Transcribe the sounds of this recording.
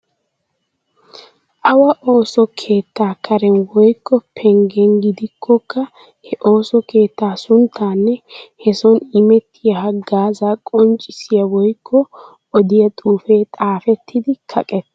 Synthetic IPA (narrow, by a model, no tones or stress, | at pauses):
ʔɐwɐʔo̞ːsɔkʰe̞ːt̪ːaːkʰɐɾɛnwɔjkːɔpʰɛŋɡɛŋɡɪd̪ɪkʰːɔkːɐ | hɛʔo̞ːsɔke̞ːt̪ːaːsʊnt̪ʰːaːnːɛhɛsɔnɪmɛt̪ʰːɪjɐhɐɡaːzakʼɔnt͡ʃʼɪsɪjɐwɔjkʰːɔ | ɔd̪ɪjɐt̪ʼuːfeːt̪ʼaːfɛt̪ʰːɪd̪ɪkʰɐkʼɛt̪ːɐ